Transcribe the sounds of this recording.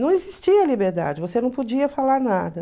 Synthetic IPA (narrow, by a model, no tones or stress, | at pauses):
nɐ̃w̃ezist͡ʃiɐlibeɾd̪a̰d͡ʒɪvosenɐ̃w̃pod͡ʒiɐfalaɾnad̪ɐ